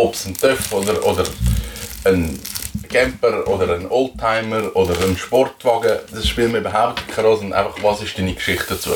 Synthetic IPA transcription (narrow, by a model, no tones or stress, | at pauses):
ɔpsntœfodəɾoːdəɾ | ənɡ̥ɛmpəɾoːdəɾənoltʰːaɪməɾoːdəɾənʃpɔɾtvɑɡəd̥ɑsʃpiːlməyːbəɦaʊptkʰɾoːsna̰ɪfɑχvɑːsɪʃd̥iːnikʃɪχt̚d̥ət͡suːə